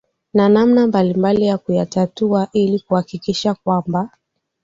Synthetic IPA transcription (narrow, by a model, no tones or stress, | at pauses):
nanamnambalimbalijakujatatuaʔilikuhakikiʃakwamba